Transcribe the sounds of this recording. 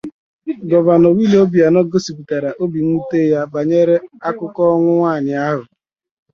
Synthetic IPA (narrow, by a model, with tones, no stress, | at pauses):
ɡɔ˨ba˨nɔ˨wi˦le˦o˦bi˨a˨nɔ˦ɡo˦si˨pu˨ta˨ɾa˨ʔo˦bi˨ŋ̩˦u˦te˦ja˦ba˨ɲe˦ɾe˦a˦kʊ˦kɔ˦ŋʷʊ˦ŋʷaː˦˨ɲɪ˨a˦ɦʊ˨